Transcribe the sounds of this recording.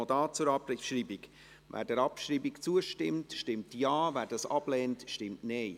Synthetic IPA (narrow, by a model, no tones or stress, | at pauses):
daːt͡suɾɑpɾɪʃɹiːbɪk | væ̰ːd̥ɛːɾɑpʃɾiːbɪkt͡suəʃtɪmtʃtɪmtjaːvæːɾdɑsɑb̥lɛːntʃtɪmtneɪ